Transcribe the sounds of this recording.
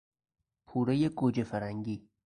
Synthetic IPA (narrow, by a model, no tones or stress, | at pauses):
pʰuːɾejeɡoːd͡ʒefæɾæŋɟiː